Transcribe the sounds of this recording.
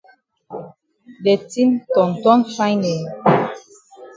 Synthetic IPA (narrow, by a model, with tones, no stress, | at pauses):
dɛ˨ti˦ntɔ̃˨n˨tɔ˦nfa˦jnɛ˨